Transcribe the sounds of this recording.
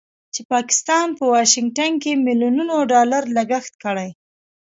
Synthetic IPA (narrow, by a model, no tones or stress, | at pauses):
t͡ʃepɑkɪ̥st̪ɑnpəwɑʃɪŋɡ̚ʈankemiljununoɖɑlaɾlaɡəxt̪̚kəɽaj